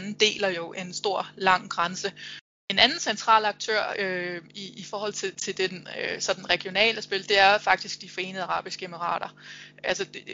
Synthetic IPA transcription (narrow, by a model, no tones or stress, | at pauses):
nn̩d̥e̝̰ːlæjo̝ʔæensd̥o̝ɐ̰lɑ̈ŋ̰ɡ̥ʁɑnsə | e̝nænn̩sent͡sʰʁɑ̰̈ːlɑ̈ɡ̥̚t͡sʰø̰ɐ̰øiːfɒːhɒ̽l̰t͡sʰe̝t͡sʰe̝ld̥edøsɒ̽d̥n̩ʁɛɡ̥jo̝nɛ̰ːləsb̥e̝ld̥e̝æɐfɑ̈ɡ̥̚d̥isɡ̥̚d̥ifɒ̽e̝̰ːnð̩ˠɑʁɑ̈ːb̥isɡ̥əeməʁɑ̰̈ːɾ̥ɐʔælsə̥